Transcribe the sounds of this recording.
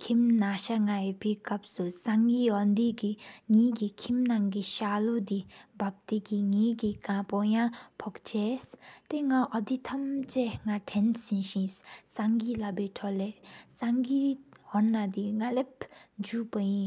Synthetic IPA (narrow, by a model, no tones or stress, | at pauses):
kʰimnaʃaŋaepikɐp̚susaŋɡiɦɔnd̪iɡiŋiɡikʰimnaŋɡiʃaːlod̪ibap̚t̪ikiŋĩɡikãpɔjãpʰɔkt͡ʃest̪eŋaʔɔd̪it̪ʰɐmt͡ɕeŋaʈʰɛnsĩnʃĩssaŋɡilabeʈʰɔlesaŋɡiɦɔnːad̪iŋalepd͡ʒupəjĩ